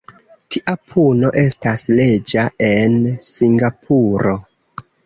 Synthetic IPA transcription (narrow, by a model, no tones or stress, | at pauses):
tʰiʔapʰuno̞ʔe̞stasle̞d͡ʒae̞nsiŋɡapʰuɾo̞